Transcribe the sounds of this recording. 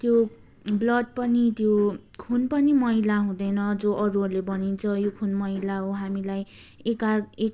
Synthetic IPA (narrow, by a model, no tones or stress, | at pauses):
t̪jo | blʌd̪̚pʌnit̪jokʰunpʌnimʌɦilaɦũd̪ʌjnʌd͡zoʔʌɾuʌrlebʌnint͡sʰʌjokʰunmʌɦilaɦoɦamilaj | ekaek